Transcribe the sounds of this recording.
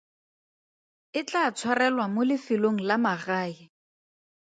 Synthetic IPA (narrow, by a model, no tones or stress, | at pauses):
ɪt͡ɬʼat͡sʰwarɛlwamolɪfɪloŋ̩lamaɣaːjɪ